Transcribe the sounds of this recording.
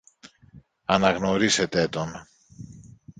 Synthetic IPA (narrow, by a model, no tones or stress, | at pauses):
ɐnɐɣno̞ɾise̞t̪e̞t̪o̞n